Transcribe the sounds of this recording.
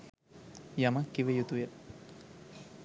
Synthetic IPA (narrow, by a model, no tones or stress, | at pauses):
jaməkːiʋejut̪ujə